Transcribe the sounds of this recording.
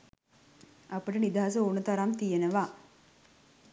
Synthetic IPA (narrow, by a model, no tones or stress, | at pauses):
ɐpəʈənid̪aɦas̬əoːnət̪aɾamt̪ijenəʋaː